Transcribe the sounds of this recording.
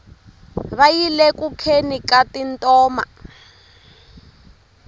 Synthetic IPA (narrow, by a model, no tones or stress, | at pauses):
βajilɛkukʰenikatintʼɔːma̰